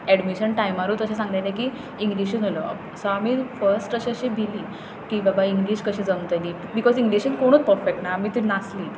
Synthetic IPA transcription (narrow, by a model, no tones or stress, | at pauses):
ɛɖmiɕənʈajmaɾuːt̪əɕẽsãŋɡ̪ajlaki | iŋɡliɕunɦolo | sɔamiːfəɾsʈəɕəɕibʱiliː | kibabaiŋɡliɕkəɕĩd͡zəmt̪əlibikɔd͡ziŋɡliɕənkoɽ̃uːt͡spəɾfek̚ʈnaamiːt̪iɾnasliːt̪